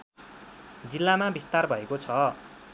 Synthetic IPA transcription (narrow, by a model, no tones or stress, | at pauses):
d͡zilːamabist̪arbʱʌekot͡sʰʌ